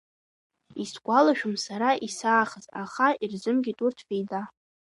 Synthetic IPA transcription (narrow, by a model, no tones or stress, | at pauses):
isɡʷalaʃᶣʊmsaɾaʔisaːχəzaχairzɨmɡʲitʼurtʰfejda